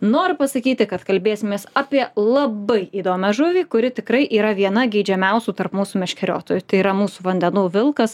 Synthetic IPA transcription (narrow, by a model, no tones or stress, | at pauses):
noːɾʲpɐsɐkʲiːt̪ʲɪkɐt̪kɐlʲbʲeːsʲɪmʲeːsɑːpʲiɛlˠɐbɐɪiːd̪oːmʲɛʒʊʋʲiːkʊɾʲɪt̪ʲɪkɾɐɪʔiːɾɐʋʲiɛnɐɡʲɛɪːd͡ʒʲɛmʲɛʊsʲuːt̪ɐrpmuːsuːmʲɛʃʲkʲɛɾʲo̰ːt̪oːjut̪ɐɪiːɾɐmuːsuːʋɐnʲd̪ʲɛnuːʋʲɪlˠkɐs